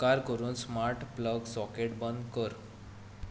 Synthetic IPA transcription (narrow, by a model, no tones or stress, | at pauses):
aɾkəɾuːnsmaɾʈpləɡsɔkeʈbənd̪kəɾ